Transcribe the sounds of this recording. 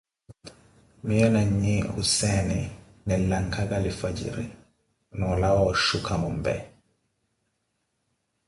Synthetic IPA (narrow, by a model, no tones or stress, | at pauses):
miɔnaɲiusɛnɛ | nɛlaŋkʰaɡalifad͡ʒḭɾḭ | nɔlawɔʃukʰamɔmbɛ̰